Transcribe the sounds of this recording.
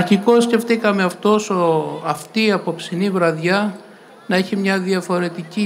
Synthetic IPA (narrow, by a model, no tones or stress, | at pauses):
ɾçiko̞sce̞ft̪ikɐme̞ɐft̪o̞soɐft̪iɐpo̞psinivɾɐðʝɐ | nɐeçimɲɐðiɐfo̞ɾe̞t̪ici